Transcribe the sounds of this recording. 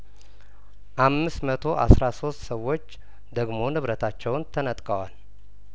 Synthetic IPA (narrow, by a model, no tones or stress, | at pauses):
ʔamːɨsmət̪ʰo̞ʔa̰sɾaso̞st̪səwːo̞t͡ʃː | d̪əɡmo̞nɨβɾət̪ʰat͡ʃːɛwnt̪ʰənət̪ʼkʼəwal